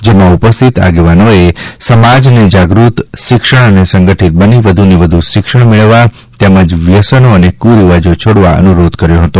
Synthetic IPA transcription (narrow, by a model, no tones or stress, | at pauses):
d͡ʒemãupəst̪ʰit̪a̰ɡeʋanoesəmad͡ʒned͡ʒaɡɾut̪ʃɪkʃəɳ̃ənesə̃ŋɡəʈʰit̪̚bəniʋəd̪ʱuniʋəd̪ʱuʃɪkʃəɽ̃meɭʋa | t̪ɛməd͡ʒʋjəsənoənekuɾiʋad͡ʒot͡ʃʰoɽʋaə̰nuɾod̪kəɾjoɦət̪o